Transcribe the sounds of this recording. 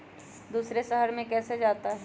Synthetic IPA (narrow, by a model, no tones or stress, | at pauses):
d̪uːsɾeʃəɦəɾmẽkɛːsed͡ʒaːt̪aɦɛ